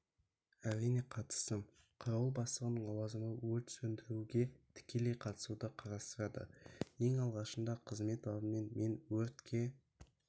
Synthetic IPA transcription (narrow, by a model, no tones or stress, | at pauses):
æɾːijne̞qʰɑt̪ə̥st̪əm | qʰɑɾɑwəlˠbɑslˠəʁənəɴɑlˠɑzəməwɵlt̪sɵnd̪ɪɾuɡʲe̞t̪ʰɪ̥kʲe̞le̞jqʰɑt̪ə̥sud̪əqʰɑɾɑst̪əɾɑd̪ə̰e̞ŋɑlˠʁɑʃənd̪ɑqʰəzme̞t̪ɑd̪əmenme̞nwɵɾt̪kʲʰe̞